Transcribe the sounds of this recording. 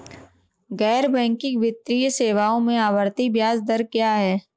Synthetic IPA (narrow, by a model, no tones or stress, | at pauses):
ɣɛːɾbɛ̃ːŋkɪ̃kʋɪt̪ɾijseːʋaːõmẽaːʋəɾt̪ibjaːzd̪əɾkjaːɦɛː